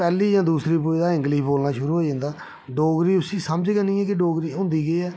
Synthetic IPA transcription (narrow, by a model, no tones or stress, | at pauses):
pɛːliːjãːd̪uːsɾiːpoid̪aːɪ̃ŋɡliːboːlnaːʃʊɾuːɦoːid͡ʒãːnd̪aː | ɖoːɡɾiːʊsĩːsəməd͡ʒkənĩːɛːkɪɖoːɡɾiːʊ̃ːnd̪iːɡəiːɛː